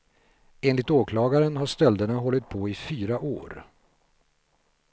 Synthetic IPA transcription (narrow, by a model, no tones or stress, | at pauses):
eːnlɪkt̪oːkʰlɑːɡaɾənɦaʂt̪ɛld̪əɳaɦɔlːɪt̪̚pʰɔɪfyːɾaʔo̰ːɾ